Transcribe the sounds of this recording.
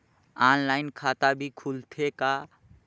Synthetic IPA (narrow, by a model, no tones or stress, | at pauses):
anlaɪnkʰat̪abʱikʰult̪ʰeka